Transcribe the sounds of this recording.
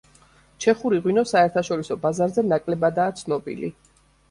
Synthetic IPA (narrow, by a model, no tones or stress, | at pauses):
t͡ʃʰɛχuɾiʁwinɔsaɛɾt̪ʰaʃɔɾisɔbazaɾzɛnakʼlɛbad̪aːt̪sʰnɔbḭlḭ